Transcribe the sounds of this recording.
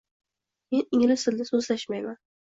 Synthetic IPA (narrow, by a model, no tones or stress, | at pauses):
me̞nɪŋlɪsɪld̪ɪsozlaʃmajman